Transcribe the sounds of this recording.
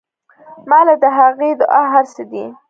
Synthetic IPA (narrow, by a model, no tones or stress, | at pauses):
mɑlad̪əɦaɣed̪əʔaɦaɾsed̪i